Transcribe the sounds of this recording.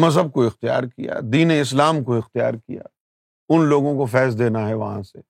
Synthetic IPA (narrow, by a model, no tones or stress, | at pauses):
mɐzɦəb̚koɪxt̪ija̰ːɾkija̰ːd̪iːneɪs̬laːmkoɪxt̪ija̰ːɾkḭja̰ː | ʊnloːɡõkofɛːs̬d̪eːnaɦɛʋɐɦã̰sḛ